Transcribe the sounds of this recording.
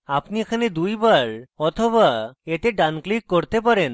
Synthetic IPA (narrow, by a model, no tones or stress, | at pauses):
apniekʰaned̪ujbaɾɔt̪ʰobaet̪eɖanklikːoɾt̪ep̬aɾen